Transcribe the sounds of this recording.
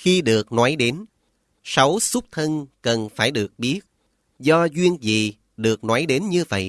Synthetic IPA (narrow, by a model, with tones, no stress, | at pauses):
xi˧ɗɨ˨˩ək̚nɔ˨˦jɗe˨˦n | sa˨˦wsu˦˥k͡p̚t̪ʰə˧nkə˨˩nfaː˧˩jɗɨ˨˩ək̚ɓi˦˥ət̚ | zɔ˧zwi˧ənzḭ˧˨˩ | ɗɨ˨˩ək̚nɔ˨˦jɗe˨˦nɲɨ˧və̰˧˨jʔ